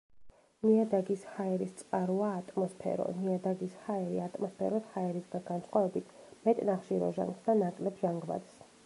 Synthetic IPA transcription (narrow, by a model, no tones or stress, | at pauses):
niad̪aɡishaɛɾist̪sʼqʼaɾuaːt̪ʼmɔspʰɛ̰ɾɔ̰niad̪aɡishaɛɾiat̪ʼmɔspʰɛ̰ɾɔshaɛɾisɡaɡansχwavɛbit̪ʰmɛt̪ʼnaχʃiɾɔ̰ʒa̰ŋɡsd̪anakʼlɛbʒaŋɡva̰t̪s